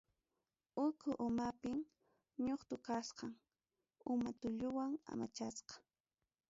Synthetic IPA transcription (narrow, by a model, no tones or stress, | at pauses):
ʊkʰʊʔʊmapɪm | ɲoχt̪ʊkasqɑŋ | ʊmat̪ʊʎʊwaŋa̰mat͡ʃasqɑ̥